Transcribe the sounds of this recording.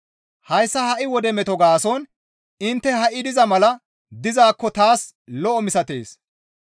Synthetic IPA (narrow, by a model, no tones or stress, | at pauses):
hɐjsːɐhɐʔɪwɔd̪ɛmɛt̪ɔɡaːsɔn | ɪnt̪ːɛhɐʔɪd̪ɪzɐmɐlɐ | d̪ɪzaːkːɔt̪aːs | lɔʔɔmɪsɐt̪ḛːs